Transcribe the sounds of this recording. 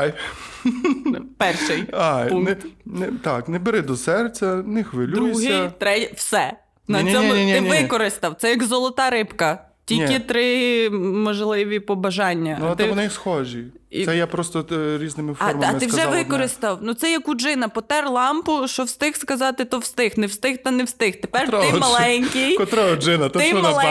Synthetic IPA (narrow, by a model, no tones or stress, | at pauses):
j | pɛrʃɪjajpuɛnt̪ɑknɛbeɾɪd̪ɔsɛrt͡sʲɐnɪxʋelʲd̪ɾusɦɐt̪ɾɛwsɛ | nɐnʲɔmʲinʲɪnʲʋɪkɔɾɪst̪ɐwt̪sɛjɐɡzɔlˠɔt̪ɑɾɪpkɐ | tʲilʲkʲɪt̪ɾɪ | mɔʒlˠɪʋʲipɔbɐʒɑnʲːɐɛt̪ɛɪɔnɛjsxɔʒʲiisɛjɛpɾɔst̪ɔɾʲiznɪmɪfɐɔrmɐɐtmɪwʒɛʋɪkɔɾɪst̪ɐwnut̪sɛjɐkud͡ʒɪnɐpɔt̪ɛrlˠɑmpʊʃt͡ʃɔwst̪ɪxskɐzɑt̪ɪt̪ɔwst̪ɪxnɛwst̪ɪxt̪ɐnewst̪ɪxt̪epɛrt̪mɐlˠɛnʲkʲijkɔt̪ɾɔɔd͡ʒɪnɐt̪ɛɪɔmɐlˠ